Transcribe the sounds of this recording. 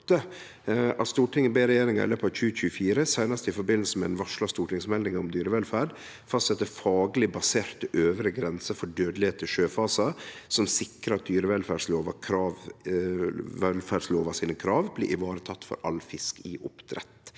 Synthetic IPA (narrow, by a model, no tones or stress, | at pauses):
t̪ə | ʔɑt̪st̪uːʈɪŋəbeːɾɛjeːɾɪŋə̰ɛ̰ləpʰɑçʉːəçʉːfiːɾəsæɪnɑst̪əɪfɔɾbɪnl̩səmɛɛnʋɑʂɭɑst̪uːʈɪŋsmɛld̪ɪŋɔmd̪yːɾəʋɛlfæːɖ | fɑst̪sɛt̪ːəfɑːɡəlɪbɑseːɾt̪əʔøːʋɾəɡɾɛnsəfɔɖøːd̪lɪheːt̪ʰːɪʂøːfɑːsɑsɔmsɪkɾəɑt̪̚d̪yːɾəʋɛlfæːɖsloːʋɑ̰kʰɾɑːʋ | ʋɛlfæɖsloːʋɑsiːnəkʰɾɑːʋblɪ̰ɾʔɪʋɑːɾət̪ʰɑt̪ːfɔ̰ɾɑ̰lfɪskɪ̰ʔʊpd̪̥ɾɛ̰t̪ː